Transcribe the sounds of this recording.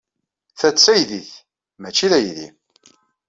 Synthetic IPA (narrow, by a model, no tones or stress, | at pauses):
θæt͡sːæjðiθ | mæt͡ʃːiðæjðḭ